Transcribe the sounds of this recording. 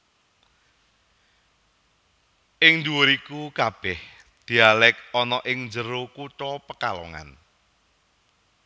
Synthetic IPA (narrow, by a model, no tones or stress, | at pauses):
ʔɪŋd̪uwoɾikukab̥ɛh | d̪̥i̤alɛk̚ɔnɔʔɪŋnd͡ʒəɾokuʈɔpəkalɔ̰ŋa̰n